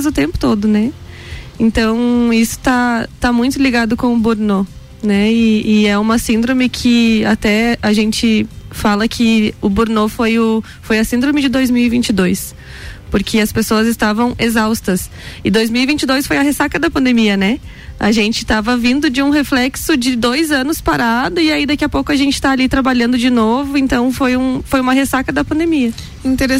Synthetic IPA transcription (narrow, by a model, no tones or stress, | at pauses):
zʊt̪ẽmpʊ̥t̪od̪ʊnɛ | ẽnt̪ɐ̃w̃isʊ̥t̪at̪amũj̃t̪ʊliɡad̪ʊkõw̃ʊbuɾno | nɛɪːɛũmɐsĩnd̪ɾõmɪkʰɪat̪ɛaʒẽnt͡ʃɪfalɐkʰɪʊbuɾnofojʊ | fojɐsĩnd̪ɾõmɪd͡ʒɪd̪ojzmiwivĩnt͡ʃɪd̪ojs | poɾkʰɪɐspesoɐzɪst̪avɐ̃w̃ezawst̪ɐs | ɪd̪ojzmiwivĩnt͡ʃɪd̪ojsfojɐɦesakɐd̪ɐpɐ̃nd̪emiɐnɛ | a̰ʒẽnt͡ʃɪ̥t̪avɐvĩnd̪ʊd͡ʒɪũɦeflɛksʊd͡ʒɪd̪ojzɐ̃nʊspaɾad̪ʊɪaid̪ɐkiɐpowkʊɐʒẽnt͡ʃɪ̥t̪aːlit̪ɾabaʎɐ̃nd̪ʊd͡ʒɪnovʊẽnt̪ɐ̃w̃fojũfojũmɐɦesakɐd̪ɐpɐ̃nd̪emiɐ | ĩt̪eɾ